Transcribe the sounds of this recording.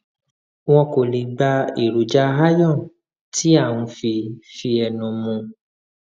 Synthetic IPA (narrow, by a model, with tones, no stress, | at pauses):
w̃ɔ̃˧ko˨le˨ɡ͡ba˧i˨ɾu˨˦d͡ʒa˧ɦa˦jɔ̃˦˨ | ti˨˦a˦˨wũ˧fi˧fi˧ɛ˧nũ˨˧mũ˧